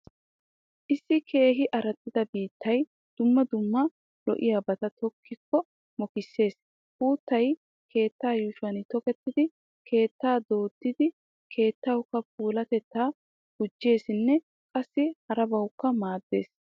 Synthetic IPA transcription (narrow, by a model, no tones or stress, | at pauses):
ʔɪsːɪkʰe̞ːɦɪʔɐɾɐt̪ːɪd̪ɐbiːt̪ːɐj | d̪̥ʊmːɐd̪ʊmːɐ | lɔ̰ʔɪjaːbɐt̪ɐt̪ɔkʰːɪkːɔ | mɔkɪsːe̞ːs | ʔuːt̪ːɐj | kʰe̞ːt̪ːaːjʊʃʊɐnɪt̪ɔkɛt̪ːɪd̪ɪ | kʰe̞ːt̪ːaːd̪o̞ːd̪ːɪd̪ɪ | kʰe̞ːt̪ːɐwkːɐpuːlɐt̪ɛt̪ːaː | ɡ̥ʊd͡ʒːe̞ːsɪnːɛ | kʼɐsːɪhɐɾɐbɐwkːɐmaːd̪ːe̞̰ːs